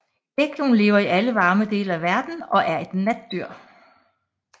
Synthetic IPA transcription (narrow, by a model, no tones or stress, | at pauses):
eɡ̥jonle̝ːʊɐiʔæləʋɑ̈ːməd̥e̝ːlæʋæɐd̥n̩ɒ̽ʔæɐe̝d̥næd̥̚ːyɐ̰